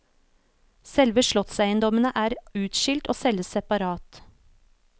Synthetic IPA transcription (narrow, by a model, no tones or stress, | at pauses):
sɛlʋəʃɭɔt̪sæɪənd̪ɔmənəʔæːɾʉːt̪ʃɪlt̪oːsɛləsɛpɑɾɑːt̪